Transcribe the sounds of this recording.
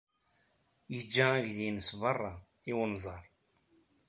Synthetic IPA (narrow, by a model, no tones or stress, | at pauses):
jəd͡ʒːææʝðinəsbɑrˤːɑ | iwənzˤɑɾˤ